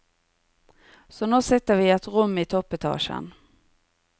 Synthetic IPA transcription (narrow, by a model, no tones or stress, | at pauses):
sɔnoːsɛt̪ːəɾvɪɛt̪ɾɵmːɪt̪ʰɔpːɛt̪ʰɑ̰ːʂə̰n